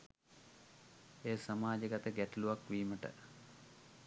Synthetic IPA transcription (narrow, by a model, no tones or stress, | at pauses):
eːsamaːd͡ʒəɡat̪əɡæʈəluʋakʋiːməʈə̰